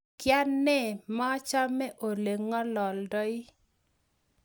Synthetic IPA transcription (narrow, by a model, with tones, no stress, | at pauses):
kja˦nːɛ˦˨ma˦t͡ʃa˦mɛ˦ʔo˨le˨ŋɔ˦lɔ˨ldɔ˦ɪ˦